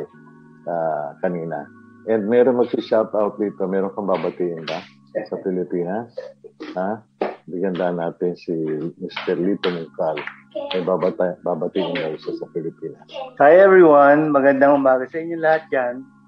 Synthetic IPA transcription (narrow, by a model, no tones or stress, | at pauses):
sɐkɐniːnɐ̰ʔɛnd̪̚mɛɾo̞ŋmɐɡ̚sɪʃat̪awt̪̚d̪iːt̪omɛːɾoŋkɐŋbaːbɐt̪iːʔɪnba | sɐpɪlɪpiːnɐsha | bɪɡɐnd̪anaːt̪ɪnsimɪst̪ɛɾlit̪omʊkal | ʔɐjbabaːbɐt̪iːʔɪnb̪ɐɪsasɐpɪlɪpiːnɐst̪ajɛviwanmɐɡɐnd̪aŋʊmaːɡɐsɐʔɪɲːolɐhat̪̚d͡ʒan